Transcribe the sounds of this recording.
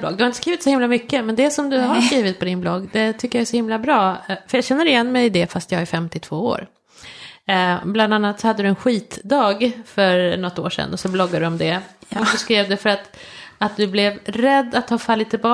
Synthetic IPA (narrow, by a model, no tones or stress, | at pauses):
blɔ̰ɡd̪ɵhaɾɪnəskɾiːvɪt̪sɔhɪmlamʏkːəmɛnd̪ɛsɔmd̪ɵɦaskɾiːvɪt̪̚pʰɔd̪ɪnblɔɡːd̪ɛt̪ʰʏkːəjɑæʂɔhɪmlabɾɑːfœjɑːɡɕɛnːəɾɪjɛnːmɛjd̪ɛfast̪jɑːɡæɾfɛmt̪ɪt̪ʰv̥oːo̰ːɾ | bland̪anːat̪sɔhad̪ːəd̪ɵɛnɧiːt̪d̪ɑːɡfœɾnɔt̪ːo̰ːʂɛ̰nːɔsɔblɔɡːad̪ɵɔmd̪ɛɔkbɛskɾeːvd̪əfœɾat̪at̪̚d̪ɵblɛvɾɛd̪ːat̪hɑːfalːɪt̪ːɪbɑ